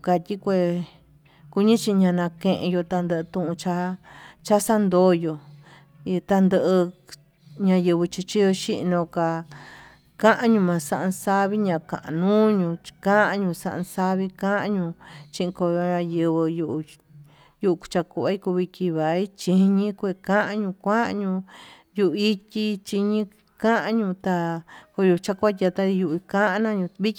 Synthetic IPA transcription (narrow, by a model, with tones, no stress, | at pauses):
ka˧tʲi˦kʷe˧ | ku˧ɲĩ˦t͡ʃi˧ɲã˧nã˧kẽ˧ʔḛ̃˧jo˧t̪a˧nd̪ə˧ʔɨ˧t̪ũ˦ʔũ˧t͡ʃa˧˦t͡ʃa˦sa˦nd̪o˧˦jo˧˨ | i˧t̪a˧nd̪ə˧ʔɨ˧ | ɲã˧jɨ˧βɨ˧t͡ʃi˧t͡ʃi˦jo˧ʃi˦ʔnõ˧ka˧ | kã˦ʔã˧ɲũ˧mã˧sa˦˧ʔã˧sa˦βi˦ɲã˧kã̰˨ʔã˨˧nũː˦ɲũ̥˧kã˦ʔã˧ɲũ˧sã̰˧ʔã̰˧sa˦βi˧kã˦ʔã˧ɲũ˧t͡ʃĩ˦ʔĩ˧ko˧˨˧ɲã˧jɨ˧βɨ˧ju˧ʔu˧ | ju˦˧ʔu˧ku̥˧t͡ʃa˧ku˧a˧˦i˦ku˧βi˧ki˧βa˨i˦t͡ʃĩ˧˦ɲĩ˦kʷe˧˨kã˦ʔã˧ɲũ˧kʷã˦ʔã̰˧ɲũ˧ | ju˧ʔu˧i˦tʲi˧t͡ʃi˧ɲĩ˦ | kã˦ʔã˦ɲũ˧t̪a˧ko˧ju˧t͡ʃa˦ku˦a˦t̪ʲa˧t̪a˦i˧ju˧ʔi˧kã˦ʔã˧nã˦ɲũ˧βi˦k